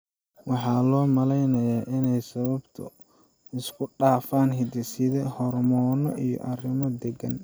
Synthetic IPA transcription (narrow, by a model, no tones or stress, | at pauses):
wɑħɑːlɔːmɐlɛjnɐjaːʔɪnɛjsɐβɐbt̪ʰʊ̰ | ɪskʰʊɖaːfaːnɦɪd̪ɪsɪðɛhɔrmɔːnɔʔijɔ̰ʔɐrɪmɔd̪ɛɡɐn